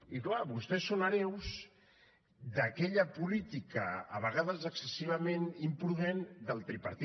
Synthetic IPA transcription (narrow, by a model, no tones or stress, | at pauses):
iklaβust̪ɛsːonəɾɛwz | d̪əkɛʎəpulit̪ikə̰ːβ̞əɣaðəzəksəsiβ̞əmenimpɾuðend̪əlˠt̪ɾipəɾt̪